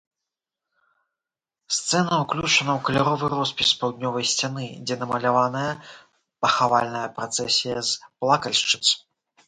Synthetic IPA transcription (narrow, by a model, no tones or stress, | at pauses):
st̪sɛnɐuklʲut͡ʂɐnɐwkɐlʲaɾɔvɨɾɔspʲispawd̪̚ʲnʲɔvɐjsʲt͡sʲanɨd͡zʲɛnɐmɐlʲavanɐjɐ | pɐxavalʲnɐjɐpɾat̪sɛsʲijɐzplˠakɐlʲʂt͡ʂɨt̪s